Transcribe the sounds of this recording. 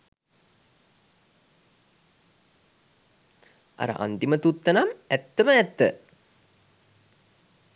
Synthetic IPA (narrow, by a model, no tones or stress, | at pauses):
a̰ɾə̰ʔa̰nt̪imət̪ut̪ːənamæt̪ːəməɛt̪ːə̰